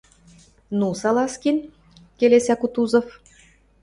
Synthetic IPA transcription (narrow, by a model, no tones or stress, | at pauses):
nusɑlɑskin | kelesækut̪uzɤ̆f